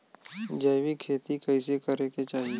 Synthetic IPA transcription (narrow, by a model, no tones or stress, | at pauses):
d͡ʒɐːʋikʰeːt̪ikəɪsekəɾeket͡ʃaːɦie